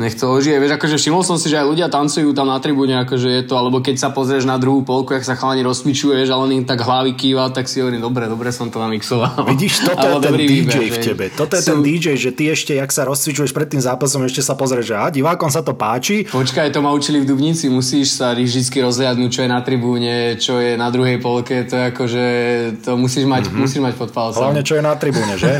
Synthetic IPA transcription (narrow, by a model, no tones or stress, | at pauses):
ɲɛxt̪ɔɔʒiʋɛʋɛʒakɔʒɛfʃimɔlsɔmsiʒɛajluɟɪat̪ant͡sujuːt̪amnat̪ɾibuɲɛakɔʒɛjɛt̪ɔalɛbɔkɛcsapɔzɾɛʒnad̪ɾuɦuːpɔlkuaksaxaːɲɛɾɔst̪mit͡ʃujɛʋjɛʒalɛnimt̪aɡɦlaʋikiːʋat̪aksiɔʋɾid̪ɔbɾɛd̪ɔbɾɛsɔmt̪ɔnamiksɔʋalʋiɟiʃt̪ɔtaɔjɛt̪ɛnd̪ibd͡ʒɛjfcɛbɛt̪ɔt̪ɔjɛt̪ɛnd̪id͡ʒɛjʒɛt̪iɛʃcɛjaksaɾɔst͡sʋit͡ʃujɛʃpɾɛt̪ːiːmzaːpasɔmɛʃcɛsapɔzɾɛʒaɟiʋaːkɔmsat̪ɔpaːt͡ʃipɔt͡ʃkajt̪ɔmaut͡ʃilivd̪ubɲit͡simusiːʃsaɾidit͡skiɾɔzlɪad̪nuc̚t͡ʃɔjɛnat̪ɾibuːɲɛt͡ʃɔjɛnad̪ɾuɦɛjpɔlkɛt̪ɔjɛakɔʒɛt̪ɔmusiːʒmacmusiːʒmacpɔt̪̚palt͡sɦlaʊɲɛt͡ʃɔjɛnat̪ɾibuːɲɛʒɛ